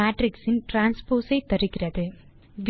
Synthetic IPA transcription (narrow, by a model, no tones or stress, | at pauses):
aːʈɾiksinʈɾaːnspoːsɐjt̪ɐɾikiɾɐd̪ɯ | ʋ